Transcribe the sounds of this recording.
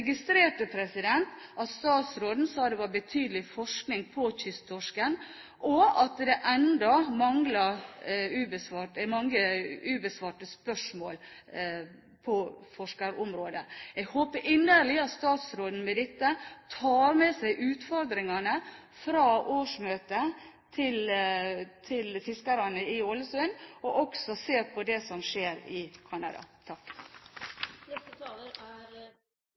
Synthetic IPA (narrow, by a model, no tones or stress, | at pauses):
ɡɪst̪ɾeːʈəpʰɾɛsɪd̪ɛnt̪ʔɑt̪st̪ɑːt̪sɾoːd̪n̩sɑːd̪ɛʋɑɾbət̪ʰyːd̪əlɪfɔʂknɪŋpʰɔçʏst̪t̪ʰɔʂkən | ʔɔɑt̪d̪ɛʔɛnd̪ɔmɑŋlɑ | ʉːbəsʋɑːʈmɑŋːəʉːbəsʋɑːʈəspœʂmoːl | pʰɔfɔʂkɑɾɔmɾoːd̪əɛɡhoːpəɾʔɪnːəɾɭɪɑt̪st̪ɑːt̪sɾoːd̪n̩mɛd̪ɛt̪ːət̪ʰɑːɾmɛsæɪʔʉːt̪fɔɾd̪ɾɪŋɑnə | fɾɑːʔoːʂmøːt̪ə | t̪ʰɪl | t̪ʰɪlfɪskɑɾɑnəɪolːəsʉnɔʔɔksɔseːɾpʰɔd̪ɛsɔmʂeːɾɪkʰɑnɑ̰d̪ɑ̰t̪ʰɑkː | nɛt̪ət̪ʰɑːləɾæɾ